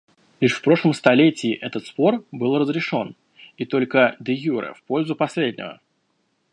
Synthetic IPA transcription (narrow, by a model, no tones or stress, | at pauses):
lʲiʂfpɾo̞ʂlˠəmst̪ɐlʲetʲɪːʔɛt̪ət̪spo̞rbɨlˠrəzɾʲɪʂo̞n | it̪o̞lʲkəd̪əjuɾə̰fpo̞lʲzʊpɐsʲlʲedʲnʲɪ̰və̰